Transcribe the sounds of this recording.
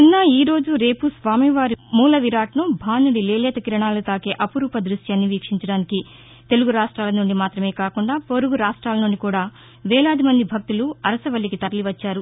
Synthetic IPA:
ninːɐiːɾo̞ːd͡ʒuɾeːpusʋaːmiʋaːɾimuːlɐʋiɾaːʈɐnubʱaːnuɽileːleːt̪ɐkiɾɐɳaːlut̪aːkeːʔɐpuɾuːpɐd̪ɾuʂjanːiʋiːkʂiɲt͡ʃɐɽaːniki | t̪e̞luɡuɾaːʂʈɾaːlɐnuɳɖimaːt̪ɾɐmeːkaːkuɳɖaːpoɾuɡuɾaːʂʈɾaːlɐnuɳɖikuːɽaː | ʋɛːɭaːd̪imɐnd̪ibʱɐk̚t̪uluɐɾɐsɐʋɐlːikit̪ɐɾɐliʋɐt͡ʃːaːɾu

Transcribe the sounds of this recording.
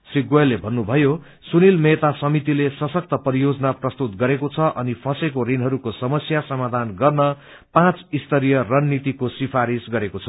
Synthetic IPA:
sriɡoelːebʱʌnːubʱʌjo | sunilmet̪asʌmit̪ilesʌsʌk̚t̪ʌpʌɾijod͡zʌnaprʌst̪ut̪ɡʌɾekot͡sʰʌʔʌnipʰʌsekoɾinɦʌɾukosʌmʌsjasʌmad̪ʱanɡʌrnʌ | pãt͡sist̪ʌɾijʌrʌnːit̪ikosipʰaɾisɡʌɾekot͡sʰʌ

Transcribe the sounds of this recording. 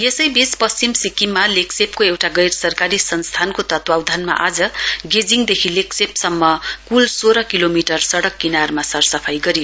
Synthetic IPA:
jesʌjbispʌst͡simsikimːaleksepkoewʈaɡʌjrsʌrkaɾisʌnst̪ʰankot̪ʌt̪wawd̪ʱanma̰ʔad͡zʌɡed͡ziŋd̪ekʰileksepsʌmːʌkulsoɾʌkilomiʈʌrsʌɽʌkːinarmasʌrsʌpʰajɡʌɾijo

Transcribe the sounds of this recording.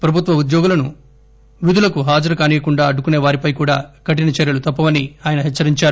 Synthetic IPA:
pɾɐbʱut̪ʋɐud̪jɔːɡulɐnu | ʋid̪ulɐkuɦaːd͡ʒɐɾɐkaːniːjɐkuɳɖaːɐɖukune̞ːʋaːɾipɐjkuːɽa̰ːkɐʈinɐt͡ʃɛɾjɐlut̪ɐpːɐʋɐniaːjɐnɐɦɛt͡ʃːɐɾiɲt͡ʃaːɾu

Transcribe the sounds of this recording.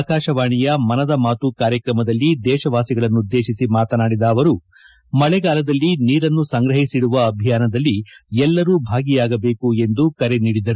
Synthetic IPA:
akaːʃɐʋaːɳijɐmɐnɐd̪ɐmaːt̪ukaːɾjɐkɾɐmɐd̪ɐlːid̪ɛːʃɐʋaːsiɡɐɭɐnːud̪ːe̞ːʃisimaːt̪ɐnaːɽid̪ɐːʋɐɾu | mɐɭɛɡaːlɐd̪ɐlːiniːɾɐnːusɐŋɡɾɐɦisiɽuʋɐːbʱijaːnɐd̪ɐlːiɛlːɐɾuːbʱaːɡijaːɡɐbe̞ːkue̞nd̪ukɐɾe̞niːɽid̪ɐɾu

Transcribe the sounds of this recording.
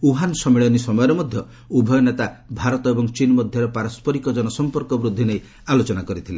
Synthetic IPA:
uɦansɔmiɭɔnisɔmɔjɔɾemɔd̪ʱjɔ | ubʱɔjɔnet̪abʱaɾɔt̪ɔebɔŋt͡ʃinmɔd̪ʱjɔɾɔpaɾɔspɔɾikɔd͡ʒɔnɔsɔmpɔɾkɔbɾud̪ʱːinej | alot͡ʃɔnakɔɾit̪ʰile

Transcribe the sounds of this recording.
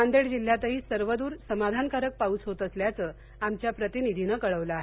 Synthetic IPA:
and̪eɽd͡ʑil̤jat̪əɦiːsəɾʋəd̪uːɾsəmad̪ʱankaɾək̚paut͡sɦot̪əsljat͡səː | amt͡ɕjapɾət̪inid̪ʱinəkəɭəʋləaɦe

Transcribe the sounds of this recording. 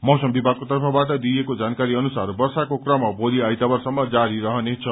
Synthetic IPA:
mʌwsʌmbibʱaɡ̚kot̪ʌrpʰʌbaʈʌd̪ijekod͡zankaɾiʌnusaɾbʌrsakokrʌmʌboɾiajt̪abʌrsʌmːʌd͡zaɾiɾʌɦʌnet͡sʰʌ

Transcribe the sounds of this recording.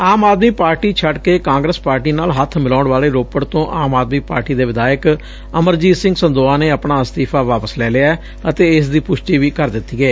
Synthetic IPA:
aːmaːd̪miːpaːɾʈiːt͡ʃʰəɖkeːkãːŋɡɾəspaːɾʈiːnaːlɦət̪ʰmɪlaːɳʋaːleːɾoːpəɽt̪õːʔaːmaːd̪miːpa̰ːɾʈiːd̪eːʋɪd̪aːjək | əməɾd͡ʒiːsɪ̃ŋɡsənd̪oːaːneːəpɳaːst̪iːpʰaːʋaːpəslɛːlɪa | ət̪eːɪsd̪iːpʊʃʈiːʋiːkəɾd̪ɪt̪ːiːɡeː

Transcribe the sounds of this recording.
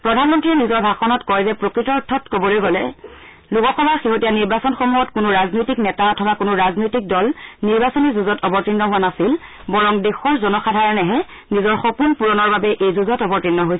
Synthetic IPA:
pɹɔdʱanmɔntɹiɛnizɔɹbʱaxɔnɔtkɔjzɛpɹokɹitɔtʰːɔtkobɔlojɡɔlɛ | lukɔxɔbaɹxeɦotijaniɹbasɔnxomuɦɔtkʊnʊɹaznojtiknɛtaɔtʰɔbakʊnʊɹaznojtik̚dɔlniɹbasɔnizuzɔtɔbɔtɹinːɔɦʊwanasil | bɔɹɔŋdexɔɹzɔnɔxadʱaɹɔnɛɦɛ | nizɔɹxokunpuɹɔnɔɹbabɛʔejzuzɔtɔbɔɹtɹinːɔɦojsɛ

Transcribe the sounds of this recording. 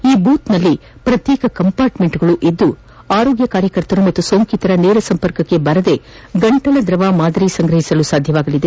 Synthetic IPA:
iːbuːt̪nɐlːipɾɐt̪jeːkɐkɐmpaːɾʈme̞ɳʈuɡɐɭuʔid̪ːu | aːɾo̞ːɡjɐkaːɾjɐkɐɾt̪ɐɾumɐt̪ːuso̞ːŋkit̪ɐɾɐneːɾɐsɐmpɐɾkɐkːe̞bɐɾɐd̪e̞ | ɡɐɳʈɐlɐd̪ɾɐʋaːmaːd̪ɐɾisɐŋɡɾɐɦisɐlusaːd̪ʱjɐʋaːɡɐlid̪e

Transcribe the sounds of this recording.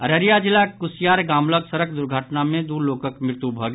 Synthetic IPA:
ɐɾəɾijad͡ʒɪlakʊsijaːɾɡaːmləɡsəɾək̚d̪ʊɾɡʱəʈnamẽd̪uːloːkəkmɪɾt̪ubʱəɡ

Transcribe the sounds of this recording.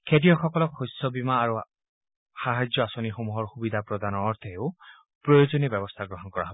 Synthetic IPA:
kʰedijɔxɔkɔlɔkxɔjsɔbimaːɹu | xaɦad͡ʒjɔasonixomuɦɔɹxubid̪ʱapɹɔd̪ʱanɔːɹt̪ʰɛeʊ | pɹɔjozonibɛbɔst̪ʰaɡɹɔɦɔnkɔɹa̰ɦɔbɔ

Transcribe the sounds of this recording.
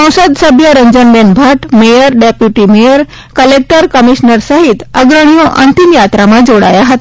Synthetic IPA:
ə̃w̃səd̪səbʱjəɾəɲd͡ʑənbenbʱaʈmejəɾɖepjuʈimejəɾ | kəlek̚ʈəɾkəmiɕnəɾsaɦit̪əɡɾəɳ̃ijoʔə̰nt̪imjat̪ɾamad͡zoɽa̰jaɦət̪

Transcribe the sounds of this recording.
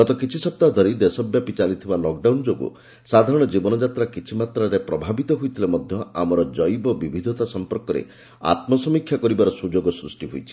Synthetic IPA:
ɡɔt̪ɔkit͡ʃʰisɔp̚t̪ad̪ʱɔɾid̪esɔbjapit͡ʃalit̪ʰibalɔk̚ɖawnd͡ʒoɡṵ | sad̪ʱaɾɔɽ̃ɔd͡ʒibɔnɔd͡ʒat̪ɾakit͡ʃʰimat̪ɾaɾepɾɔbʱabit̪ɔɦujt̪ʰilemɔd̪ʱjɔa̰mɔɾɔd͡ʒɔjbɔbibʱid̪ʱɔt̪asɔmpɔɾkɔɾḛ | a̰t̪mɔsɔmikʰjakɔɾibaɾɔsud͡ʒoɡɔsɾusʈiɦujt͡ʃʰi̥

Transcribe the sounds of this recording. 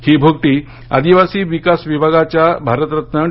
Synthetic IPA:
hiːbʱuɡ̚ʈiː | a̰d̪iʋasiːʋikasʋibʱaɡat͡ɕjabʱaɾət̪ɾət̪nəɳ

